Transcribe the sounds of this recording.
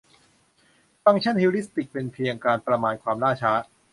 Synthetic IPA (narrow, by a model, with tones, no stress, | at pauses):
t̪a˥˩ŋt͡ɕʰa˥˩nhiː˧˥ɾi˦˥st̪i˨˩k̚pe˧npʰi˧əŋkaː˧npɾa˧maː˧nkʰwaː˧mɾaː˥˩t͡ɕʰaː˦˥